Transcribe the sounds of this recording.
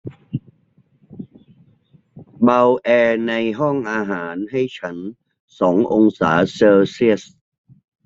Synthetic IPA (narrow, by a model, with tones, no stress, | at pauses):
ba˧wʔɛː˧na˧jɦɔ˥˩ŋʔaː˧ɦaː˩˦nɦa˥˩jt͡ɕʰa˦˥n | sɔː˩˦ŋʔo˧ŋsaː˩˦sɤː˧si˥˩əs